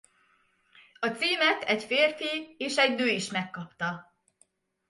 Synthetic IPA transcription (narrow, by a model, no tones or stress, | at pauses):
ɒt̪siːmɛt̪ɛɟfeːrfieːʃɛɟnøːiʃmɛkːɒpt̪ɒ